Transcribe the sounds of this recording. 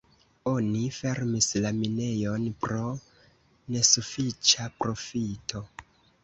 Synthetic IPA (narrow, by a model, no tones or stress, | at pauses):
o̞nife̞ɾmislamine̞jo̞npɾo̞ | ne̞sufit͡ʃapɾo̞fitʰo̞